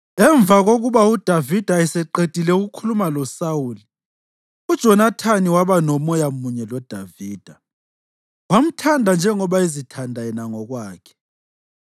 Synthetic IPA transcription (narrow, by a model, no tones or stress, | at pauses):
ɛɱb̪vʱaɣoɣuβaud̥ʱavid̥ʱaɛsɛǃed̥ʱilɛuɣukʰulumalɔsauːli | ud̥ʒ̥ʱɔnatʰaniwaβanɔmɔjamuɲɛlɔd̥ʱaviːd̥ʱa | wam̩tʰandʱand͡ʒʱɛŋɔβaizitʰandʱaɛnaŋɔɣwaːkʰɛ̥